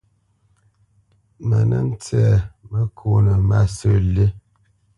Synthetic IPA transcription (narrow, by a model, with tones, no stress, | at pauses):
mə˨nə̰˦n̩˦t͡sɛ˦˨mə˦kʰo˦˨nə˨ma˦sə˦˨li˦